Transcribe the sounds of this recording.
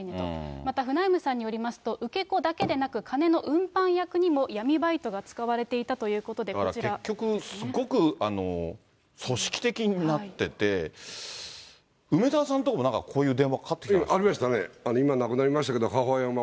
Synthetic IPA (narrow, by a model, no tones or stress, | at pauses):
neõ̰mat̪aɸɯ̟naimɯ̟sãɲ̟ːijo̞ɾʲimasɨ̥t̪o̞ʔɯ̟ke̞ko̞d̪ake̞d̪e̞nakɯ̟kʰane̞no̞ʔɯ̟̃mpãɰ̃jakɯ̟ɲ̟imo̞jamʲibait̪o̞ɡat͡sɨ̥kaβaɾe̞t̪e̞it̪at̪o̞jɯ̟ːko̞t̪o̞d̪e̞kaɾa̰t͡ɕiɾeakʲːo̞kɯ̟sɨɡo̞kɯ̟ano̞̰ | so̞ɕi̥kʲi̥t̪e̞kʲiɲ̟inat̪ːe̞t̪e̞ | ɯ̟me̞d̪aːsãnt̪okamo̞nãŋka̰kʰo̞ːjɯ̟ːd̪ẽ̞βakkʰat̪ːektaɾʲimaɕ̬t̪aneanoimanakɯ̟naɾʲimaɕi̥t̪aked̪oɦaɦoãma